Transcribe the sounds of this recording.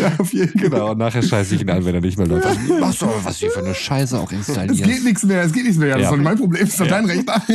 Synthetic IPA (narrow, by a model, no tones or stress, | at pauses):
jaːaʊfjeːdn̩ɡənaʊʊntnaːχheːɐʃaɪsəɪçiːna̰nvɛneɐnɪçtmeːɐlofmaχstd̥uabava̰sv̥iːfyːɐnəʃaɪsəa̰ʊxɪ̰nstʰa̰liɛsɡ̥eːtnɪçt͡smeːɐɛs̬ɡ̥eːt̚nɪçtsmeːɐjaːasanːmaɪnpʁ̥obleːmɪsadaɪnʁɛçta